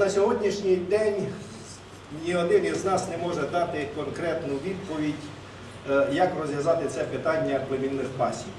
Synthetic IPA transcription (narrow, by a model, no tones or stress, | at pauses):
nɐsʲɔɦɔdʲnʲiʃnʲijd̪ɛnʲ | nʲiɦɔd̪ɪniznɑsnɛmɔʒɛd̪ɑt̪ɪkɔnkɾɛt̪nʊʋʲid̪̚pɔʋʲidʲ | jɐkrɔzʋjɐzɑt̪ɪt̪sɛpɪt̪ɑnʲːɐplˠemʲilnɪxpɑsʲiw